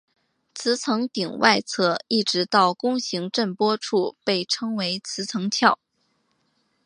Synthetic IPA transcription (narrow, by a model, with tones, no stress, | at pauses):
t͡sʰɹ̩˧˥t͡sʰɤ˧˥ŋt̪i˨˩ŋwʔa˥˧ɪt͡sʰɤ˥˩i˥˩ʈ͡ʂɻ̩˧˥t̪ɑ˥˩ʊkʊ˥ŋɕi˧˥ŋʈ͡ʂə˥˩npwɔ˥ʈ͡ʂʰu˥˧pe˥˩ɪʈ͡ʂʰɤ˥ŋwe˧˥ɪt͡sʰɹ̩˧˥t͡sʰɤ˧˥ŋt͡ɕʰjɑ˥˩ʊ